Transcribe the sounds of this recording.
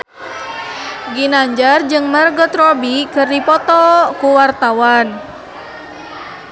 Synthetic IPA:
ɡinaɲd͡ʒard͡ʒɨŋmərɡɔt̪rɔbikɨrdipɔt̪ɔkuwart̪awan

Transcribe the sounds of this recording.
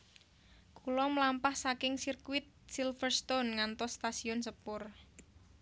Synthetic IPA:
kulɔmlampahsakɪŋsirkuwɪt̪̚silfərst̪onŋant̪ɔsːt̪asiɔnsəpʊr

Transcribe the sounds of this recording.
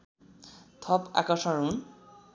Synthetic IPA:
t̪ʰɔpa̰kɔsɔɹun

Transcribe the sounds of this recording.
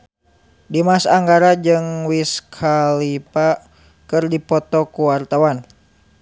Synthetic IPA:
dimasaŋɡaɾad͡ʒɨŋwiskʰalipa | kɨrdipɔt̪ɔkuwart̪awan

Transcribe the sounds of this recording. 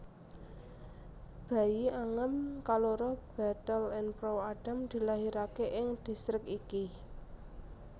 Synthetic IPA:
b̥ä̤jiaŋəmkaloɾɔb̥a̤t̪əlɛnpɾoaɖ̥a̤md̪̥i̤laɦiɾakeʔɪŋd̪̥i̤sɾɪkiki

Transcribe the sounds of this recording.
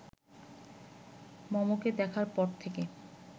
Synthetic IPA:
mɔmoked̪ɛkʰaɾpɔɾt̪ʰeke

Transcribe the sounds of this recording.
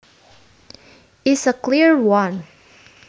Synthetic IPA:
ɪsəkʰl̥ɪɹwʌ̃n

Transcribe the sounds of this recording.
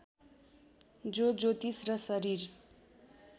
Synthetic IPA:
d͡zod͡zot̪isrʌsʌɾiɾ

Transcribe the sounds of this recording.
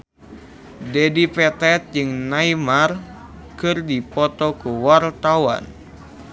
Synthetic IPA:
dɛdipɛt̪ɛt̪̚d͡ʒɨŋnaimar | kɨrdipɔt̪ɔkuwart̪awa̰n

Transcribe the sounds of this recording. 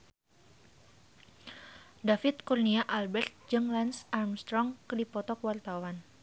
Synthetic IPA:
dafit̪̚kurniaʔalbɛrt̪̚d͡ʒɨŋlansarmst̪ɾɔŋkdipɔt̪ɔkwart̪awan

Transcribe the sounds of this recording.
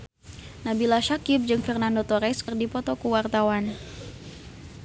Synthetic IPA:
nabilaʃakɪp̚d͡ʒɨŋfɛrnandot̪ɔɾɛskərdipɔt̪ɔkəwart̪awan

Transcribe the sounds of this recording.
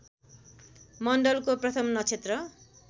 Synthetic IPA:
mʌnɖʌlkoprʌt̪ʰʌmnʌt͡sʰet̪rʌ

